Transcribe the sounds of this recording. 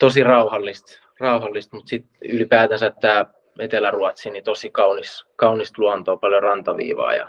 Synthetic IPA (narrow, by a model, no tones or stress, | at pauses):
t̪osirɑuhɑlːist̪ | rɑuhɑlːist̪mut̪sit̪ylipæːt̪æsæt̪t̪æː | et̪elæruɑt̪sinit̪osikɑuniskɑunist̪luɑnt̪oːpɑljorɑnt̪ɑʋḭːʋɑ̰ːjɑ̰